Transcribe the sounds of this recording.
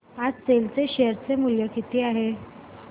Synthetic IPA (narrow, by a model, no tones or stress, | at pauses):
ad͡zt͡selt͡seɕeɾt͡semuljəkit̪iːaɦe